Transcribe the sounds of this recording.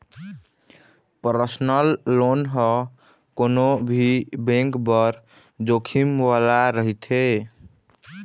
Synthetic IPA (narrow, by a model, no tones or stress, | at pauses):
pəɾəsnəlːonɦɔ | konobʱibẽŋkbəɾ | d͡ʒokʰimʋalaɾəɦit̪ʰe